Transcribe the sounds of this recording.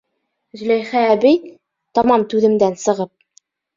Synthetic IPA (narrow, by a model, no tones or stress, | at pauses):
zɵ̆læjχæːbɘj | t̪ɑmɑmt̪ʉðɘ̆md̪ænsɤ̆ʁɤp̚